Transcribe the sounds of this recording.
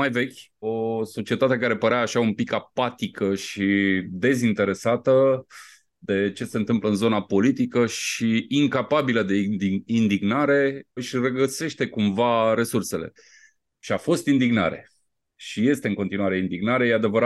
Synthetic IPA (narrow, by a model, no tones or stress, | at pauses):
majve̞kʲo̞so̞t͡ʃiet̪at̪ekaɾe̞pəɾeaːʃaumpikapat̪ikəʃid̪e̞zint̪e̞ɾe̞sat̪ə | d̪e̞t͡ʃe̞se̞ɨnt̪ɨmpləɨnzo̞napo̞lit̪ikəʃiiŋkapabiləd̪e̞d̪iind̪iɡnaɾe̞ɨʃʲreɡəse̞ʃt̪e̞kumvaɾe̞surse̞le̞̰ | ʃiafo̞st̪ind̪iɡna̰ɾe̞̰ | ʃije̞st̪eɨŋko̞nt̪inuaɾe̞ind̪iɡnaɾe̞jead̪e̞vəɾa